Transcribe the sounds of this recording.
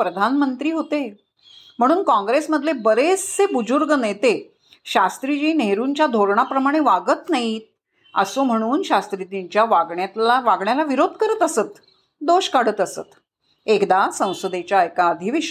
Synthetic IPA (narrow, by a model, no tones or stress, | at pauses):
pɾəd̪ʱanmənt̪ɾiːɦot̪e | m̤əɽ̃uːnkɔ̃ŋɡɾesməd̪ʱlebəɾest͡sebud͡ʑuɾɡənet̪e | ɕast̪ɾid͡ʑiːneɦɾuɲt͡ɕjad̪ʱoɾɳapɾəmaɽ̃eʋaɡət̪naɦit̪̚ | ə̰som̤əɽ̃uːnɕast̪ɾit̪iɲt͡ɕjaʋaɡɳjat̪laʋaɡɳjalaʋiɾod̪ʱkəɾət̪əsət̪ | d̪oɕkaɽət̪əsə̰t̪ | ekd̪asə̃w̃səd̪et͡ɕjaəjkaəd̪ʱiʋiɕ